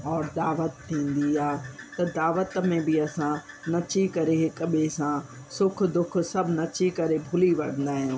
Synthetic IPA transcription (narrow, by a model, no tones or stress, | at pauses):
ɔːɾd̪aːʋət̪ʰːĩːn̆d̪iaːt̪ɐd̪aːʋət̪mẽbɪɐsã | nɐt͡ɕikɐɾeɦɪkəɓesã | sʊk̆ʰd̪ʊk̆ʰsɐbʱnɐt͡ɕikɐɾebʱʊliʋɐ̰ɽ̤ə̃nd̪aːɦijũː